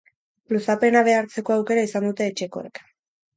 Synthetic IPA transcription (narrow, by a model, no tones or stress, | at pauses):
lusape̞naβ̞e̞aɾt͡se̞ko̞awke̞ɾaisand̪ut̪e̞ːt͡ʃe̞ko̞̰e̞̰k